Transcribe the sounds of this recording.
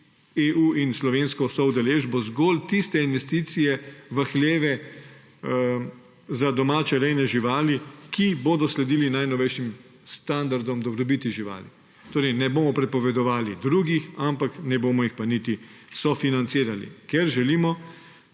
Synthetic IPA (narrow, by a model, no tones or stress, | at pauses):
eːʔuːinslɔʋenskɔsɔud̪ɛleːʒbɔzɡoːlt̪ist̪ɛinʋɛst̪iːt̪sijɛʋaxleːʋɛ | zad̪ɔmaːt͡ʃɛɾɛjnɛʒiʋaːlikʰiboːd̪ɔslɛd̪iːlinajnɔʋɛjʃim | st̪and̪aɾd̪ɔmd̪ɔbɾɔbiːt̪iʒiʋa̰ːli | t̪oːɾɛɪjnɛboːmɔpɾɛpɔʋɛd̪ɔʋaːlid̪ɾuːɡixampaknɛboːmɔixpanit̪isɔfinant̪siːɾalḭkɛɾʒɛliːmɔ